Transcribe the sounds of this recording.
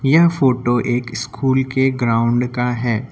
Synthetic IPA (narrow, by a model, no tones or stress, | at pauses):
jɐɦfoːʈoʔeːkɪskʰuːlkeɡɾaːʊ̃ɳɖkaɦɛː